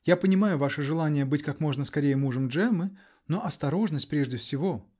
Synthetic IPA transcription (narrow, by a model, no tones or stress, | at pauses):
japənʲɪmajʊvaʂɨʐɨlˠanʲɪjəbɨtʲkakmo̞ʐnəskɐɾʲejəmuʐəmʐɛmɨ | no̞ʔɐst̪ɐɾo̞ʐnəsʲtʲpɾʲe̞ʐdʲɪfsʲɪvo̞